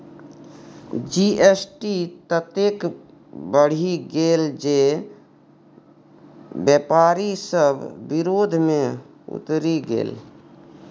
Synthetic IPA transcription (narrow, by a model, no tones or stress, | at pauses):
d͡ʒiesʈit̪ət̪ek | bəɽ̤iɡeːld͡ʒe | bjepaːɾisəbʱːɪɾoːd̪ʱmẽ | ṵt̪ɾiɡḛːl